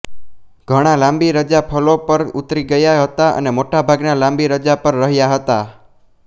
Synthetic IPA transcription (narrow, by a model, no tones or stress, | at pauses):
ɡ̥ʱəɽ̃alãmbiɾəd͡ʒapʰəlopəɾut̪ɾiɡəjaɦət̪aʔə̰nemoʈabʱaɡnalãmbiɾəd͡ʒapəɾːəɦjaɦət̪a